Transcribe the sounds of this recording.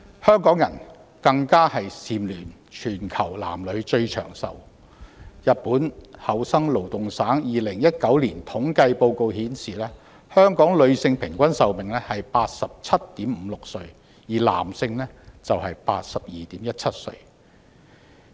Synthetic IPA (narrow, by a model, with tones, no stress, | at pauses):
hœː˥ŋkɔː˨˥ŋjɐ˨˩n | kɐ˧ŋkaː˥hɐ˨jsiː˨mlyː˨˩n | t͡ʃʰyː˨˩nkʰɐ˨˩wla̰ː˨˩mlɵ˨˧ɥt͡ʃɵ˧ɥt͡ʃʰœ̰ː˨˩ŋsɐ̰˨w | jɐ˨t̚puː˨˥nhɐ˨˩wsɐ˥ŋlo˨˩wt̪ʊ˨ŋsaː˨˥ŋjiː˨lɪ˨˩ŋjɐ˥t̚kɐ˨˥wliː˨˩nt̪ʰʊ˨˥ŋkɐ˧jpo˧wko˨˧whiː˨˥nsiː˨lɛː˥ | hœː˥ŋkɔː˨˥ŋlɵ˨˧ɥsɪ˧ŋpʰɪ˨˩ŋkʷɐ˥nsɐ˨wmɪ˨ŋlɛː˥hɐ˨jpaː˧t̚sɐ˨p̚t͡sʰɐ˥t̚t̪iː˨˥mm̩˨˧lʊ˨k̚sɵ˧ɥ | jiː˨˩la̰ː˨˩msɪ˧ŋlɛː˥t͡sɐ˨wɦɐ˨jpa̰ː˧t̚sɐ˨p̚jiː˨t̪iː˨˥mjɐ˥t̚t͡sʰɐ˥t̚sɵ̰˧ɥ